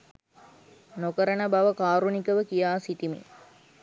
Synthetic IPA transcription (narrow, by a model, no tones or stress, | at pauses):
nokəɾənəbaʋəkaːɾunikəʋəkijaːsit̪imḭ